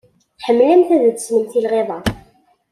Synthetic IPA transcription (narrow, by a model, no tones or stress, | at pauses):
ħəmːlæmθæðəd̪ə̥sməmθilʁeðˤɑ